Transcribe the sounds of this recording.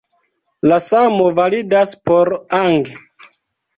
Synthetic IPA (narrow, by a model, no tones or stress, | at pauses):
lasamovalidaspoɾaŋɡe